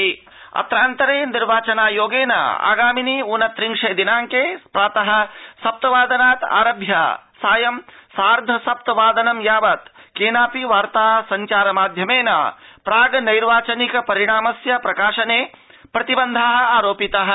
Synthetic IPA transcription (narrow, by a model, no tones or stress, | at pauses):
ɐ̰t̪ɾaːnt̪ɐɾeːniɾʋaːt͡ʃɐnaːjoːɡeːnɐ̰a̰ːɡaːminiːunɐt̪ɾiŋʂeːd̪inaːŋkeːpɾaːt̪ɐɦɐ̆sɐp̚t̪ɐʋaːd̪ɐnaːt̪a̰ːɾɐbʱja̰saːjɐmsaːɾd̪ʱɐsɐp̚t̪ɐʋaːd̪ɐnɐmjaːʋɐt̪keːnaːpiʋaːɾt̪aːsɐɲt͡ʃaːɾɐmaːd̪ʱjɐmeːna̰pɾaːɡɐnɐjɾʋaːt͡ʃɐnikɐpɐɾiɽaːmɐsjɐpɾɐkaːʂɐneː | pɾɐt̪ibɐnd̪ʱaːɦɐ̆aːɾoːpit̪ɐɦɐ̆